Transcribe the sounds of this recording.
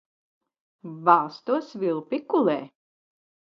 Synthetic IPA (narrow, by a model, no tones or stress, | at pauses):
vaːst̪uɔsvilˠpikulɛː